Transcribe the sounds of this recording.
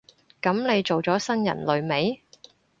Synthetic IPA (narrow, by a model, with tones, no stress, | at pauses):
kɐ˨˥mne˨˧jt͡so˨wt͡sɔː˨˥sɐ˥njɐ̰˨˩nlɵ˨˧ɥme˨˥j